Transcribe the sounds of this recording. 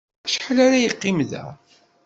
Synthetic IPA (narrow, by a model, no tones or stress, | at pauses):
ʃə̥ħlaɾajəqːimðæ̰